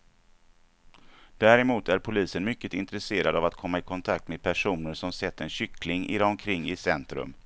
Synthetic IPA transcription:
d̪̥æɾɛmuːt̪ʰæɾpʰʊliːsənmʏkːət̪ɪnt̪ɾɛseːɾad̪avat̪kʰɔmːaɪkʰɔnt̪ʰakt̪meːd̪̚pʰæʂuːnəɾʂɔmsɛt̪ːɛnɕʏklɪŋɪ̰ɾaɔmkʰɾɪŋːɪsɛnt̪ɾɵ̰m

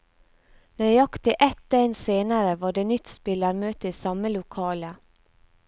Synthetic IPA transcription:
næɾɑkt̪ʰəʔɛt̪̚ːd̪enseːnaɾəvɑɖeːnʏt̪speːlaɾmøːt̪əɪsɑmːəlʊkʰɑːlə

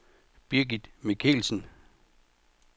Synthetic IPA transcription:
b̥iɐɡid̥mikʰḛlsn̩

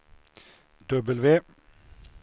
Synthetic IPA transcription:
d̪œbəlʋeː

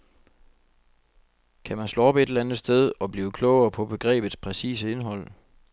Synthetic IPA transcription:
kʰæmænslo̝ːɒ̽be̝d̥elænð̩ˠsd̥eð̞ˠɒ̽b̥liːʊkʰlɔʊɐːpʰɒ̽b̥e̝ɡ̥ʁɛ̰ːb̥ð̩ˠspʰʁɛsḭːs̬əe̝nɦɒ̽l̰

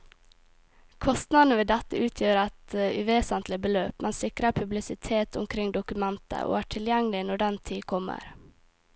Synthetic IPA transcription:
kʰɔst̪nɑd̪n̩əʋeːd̪ɛt̪əʉːt̪ʰjøːɾɑt̪əʉːʋeːsənt̪lɪbəløːpmɛnsɪkɾəpʰʉblɪsɪt̪ʰeːt̪ʰʊ̰mkʰɾɪŋd̪ʊkʉmɛnt̪ə̰ʔo̰ːæːʈʰɪljæŋəlɪnɔɖɛnt̪ʰiːkʰɔmə̰ɾ

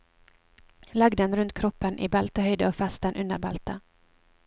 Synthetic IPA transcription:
laɡd̪ɛnɾɵnt̪̚kʰɾɔpːənʔɪ̰balt̪əhœjd̪əɔfɛst̪ənʔɵnd̪ə̰ɾbalt̪ə

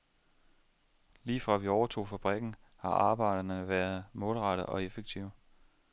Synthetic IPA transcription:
liːfʁɑ̈ʋiɒʊɐt͡sʰo̝̰ːfæb̥ʁɛɡ̥n̩ | hɑ̈ʔɑ̈ːb̥ɑ̈ɪ̰d̥ɐnəʋæːɐð̩ˠmɔ̽ːlʁɑ̈ɾəʔɒ̽e̝feɡ̥̚t͡sʰiʊ̰

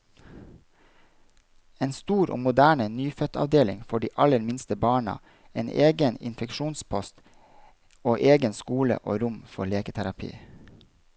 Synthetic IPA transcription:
eːnst̪uːɾʔo̰ːmʊd̪æːɳənyːfœt̪ʰɑ̰ʋd̪eːlɪ̰ŋfɔɖiːʔɑləɾmɪnst̪əbɑːɳɑ̰ | eːnʔeːɡənɪ̰nfɛkʃuːnspʰɔst̪ | oːʔeːɡənskuːlə̰ʔo̰ːɾʊmfɔɭeːkət̪ʰæɾɑpʰḭː

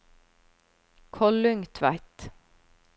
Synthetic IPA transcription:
kʰɔlʉŋt̪ʰʋæɪt̪

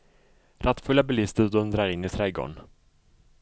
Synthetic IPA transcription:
ɾʔat̪fɵlːabɛlɪst̪əɾd̪ɵnd̪ɾaɾɪnːɪsʰɾɛjɡɔ̰n

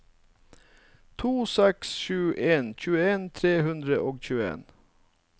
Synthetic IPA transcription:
t̪ʰuːsɛksʃʉːʔeːnc͡çʉːəeːnt̪ʰɾeːhʉnd̪ɾəʔoːɡc͡çʉːəḛːn

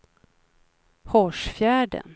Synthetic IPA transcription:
hɔʂfjæːɖə̰n

